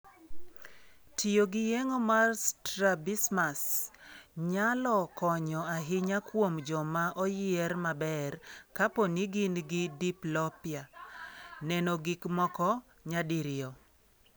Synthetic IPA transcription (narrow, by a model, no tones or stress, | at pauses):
tʰijoɡɪjɛŋomarstɾabismas | ɲalɔkɔɲɔaɦɪɲakwomd͡ʒɔmaʔɔjɪɛrmabɛrkaponiɡɪnɡɪdiplɔpɪa | nɛnɔɡɪkmɔkɔ | ɲadiɾɪɔ